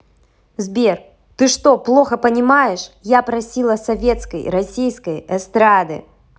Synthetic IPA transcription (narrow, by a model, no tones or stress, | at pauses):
zbʲer | t̪ɨʂt̪ɔplˠoxɐpɐnʲɪmajɛʂjapɾɐsʲilˠɐsɐvʲet̪skɐjɾɐsʲijskɐjɛst̪ɾad̪ɨ̰